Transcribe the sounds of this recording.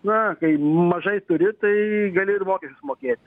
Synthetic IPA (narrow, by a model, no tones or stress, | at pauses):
nɐkɐɪmɐʒɐɪt̪ʊɾʲɪt̪ɐɪɡɐlʲɪɪrmoːkʲɛʃʲt͡ʃʲʊsmoːkʲeːt̪ʲ